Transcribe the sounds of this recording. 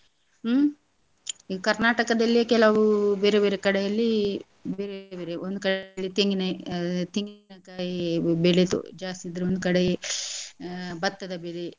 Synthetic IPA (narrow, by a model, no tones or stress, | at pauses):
iɐkɐɾnaːʈɐkɐd̪ɐlːikɛlɐʋubeːɾebeːɾekɐɽɛjɐlːi | beːɾebebeːɾeond̪ukɐɽlːit̪iŋɡinɐt̪iŋɡinɐkaːjibeɭet̪ṵd͡ʒaːst̪id̪ɾeond̪ukɐɽe | bɐt̪ːɐd̪ɐbele